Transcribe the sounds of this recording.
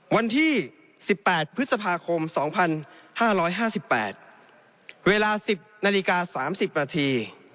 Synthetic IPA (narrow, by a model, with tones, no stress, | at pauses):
wa˧nt̪ʰiː˥˩ | si˨˩pːɛː˨˩t̪̚pʰɯ˦˥t̪̚sa˧pʰaː˧kʰo˧msɔː˩˦ŋpʰa˧nhaː˥˩ɾɔː˦˥jɦaː˥˩si˨˩pːɛ̰ː˨˩t̪̚ | weː˧laː˧si˨˩p̚naː˧li˦˧˥kaː˧saː˩˦msi˨˩p̚naː˧t̪ʰiː˧